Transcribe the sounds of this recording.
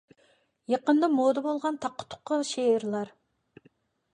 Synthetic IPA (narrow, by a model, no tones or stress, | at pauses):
jɑqənd̪ɑmod̪ɑbolˠʁɑnt̪ʰɑqʰːʊ̥t̪ʰːʊ̥qːɑʃeɪɾlˠɑɾ